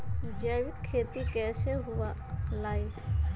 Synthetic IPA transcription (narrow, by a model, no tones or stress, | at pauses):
d͡ʒaʋɪkʰːeːt̪ikɛːseɦʊalaːj